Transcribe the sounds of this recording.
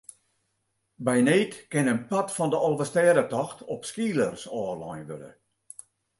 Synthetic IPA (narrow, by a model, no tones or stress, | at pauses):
bɛjneːtkɪnənpatfɔndəʔɔlˠʋəstɛːədətɔxtʰɔpskiːlərsɔːrlɔjnʋølə̰